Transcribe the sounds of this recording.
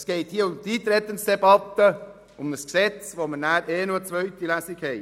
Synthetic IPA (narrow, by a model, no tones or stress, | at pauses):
sɡ̥ɛɪt̪hiəʊmd̪iːt̪ɾɛt̪ːənsd̥̪ebɑt̪ːə | ʊmnəsksɛt͡sʋomənæːɾʔeːnuət͡svœʏt̪ilæːsɪɡhɛɪ